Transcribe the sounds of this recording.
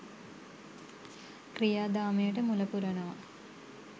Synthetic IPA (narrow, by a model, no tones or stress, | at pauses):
krijaːd̪aːmejəʈəmulɐpuɾɐɳɐʋɐ